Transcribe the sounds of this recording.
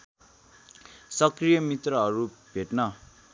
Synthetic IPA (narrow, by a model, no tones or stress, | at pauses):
sʌkrijʌmit̪rʌɦʌɾub̥ʱeʈnʌ